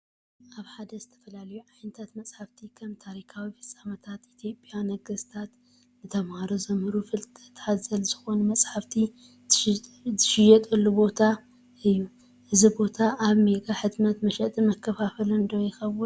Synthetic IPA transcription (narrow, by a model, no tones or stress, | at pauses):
ʔaβħad̪ɐzɨt̪ʰɐ̥fɐlalɐjuʕajnɨt̪ʰat̪mɐt͡sʼħaft̪ʰikʰɐmt̪ʰaɾikʰawifɨsʼamɐt̪ʰat̪it̪ʰjo̞pʼjanɐɡɨst̪ʰat̪ | nɨt̪ʰɐmhaɾozɐmɨɾufɨlt̪ʼɐt̪ʰat̪zɐlz̥ɨxo̞numɐt͡sʼħaft̪ʰi | zɨʃɪjɛt̪ʼɨlːubo̞t̪ʰa | ɨjːu | ʔɨzibo̞t̪ʰaʔaβmeɡaħɨt̪mɐt̪mɐʃɐt̪ʼɨmɐkʰːɐfafɐlɨnd̪owjɪxɐβu